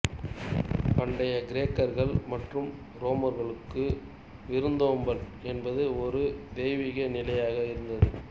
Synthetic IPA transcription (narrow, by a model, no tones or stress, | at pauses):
pɐɳɖɐjɐɡɪɾeːkːɐɾɣɐɭmɐʈrɯm | ɾoːmɐɾɣɐɭɯkːɯ | ʋɪɾɯnd̪oːmbɐl | ɛnbɐðɯɔɾɯd̪ɛːʋɪɣɐnɪlɐjaːɣɐɪɾɯnd̪ɐðɯ